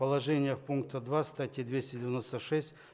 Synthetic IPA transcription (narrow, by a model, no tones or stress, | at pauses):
pəlˠɐʐɛnʲɪjəxpunk̚t̪əd̪vast̪atʲɪd̪vʲesʲtʲɪdʲɪvʲɪno̞st̪əʂɛsʲtʲ